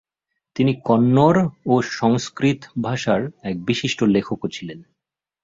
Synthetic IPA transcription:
t̪inikɔnːoɾoʃɔŋskɾit̪bʱaʃaɾɛk̚biʃiʃʈolekʰokot͡ɕʰilen

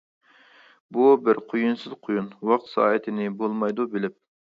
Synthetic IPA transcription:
bubɪɾqʰojunsɨzqʰojunwɑq̚t̪sɑ̰ːɦɛt̪ʰɪnɪbolˠmɑjd̪ubɪlɪp̚

